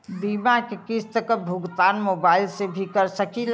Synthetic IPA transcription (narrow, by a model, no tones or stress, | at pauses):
bimakekist̪əkəbʱuɡt̪aːnmobailsebʱikəɾsəkil